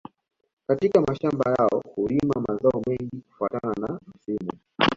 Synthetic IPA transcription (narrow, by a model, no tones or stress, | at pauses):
katikamaʃambajaɔhulimamazaɔmɛŋɡiku̥fuatananam̩simu